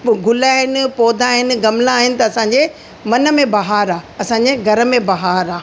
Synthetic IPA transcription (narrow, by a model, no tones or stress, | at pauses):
ɡʱʊlaːɦɪnɪ̆poːd̪ʱãːɦɪnɪ̆ɡɐmlãːɦɪnɪ̆t̪ɐːsãːɲd͡ʑe | mɐnə̆mẽbɐɦaːɾaːɐsãd͡ʑeɡʱɐɾə̆mẽbɐɦaːɾaː